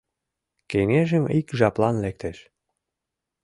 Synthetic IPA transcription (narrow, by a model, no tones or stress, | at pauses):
keŋeʒəmikʒɑplɑnlek̚t̪eʃ